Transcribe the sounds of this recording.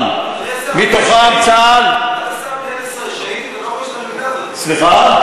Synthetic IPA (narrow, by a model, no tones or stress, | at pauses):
m | mit̪oχakt͡sal | sliχa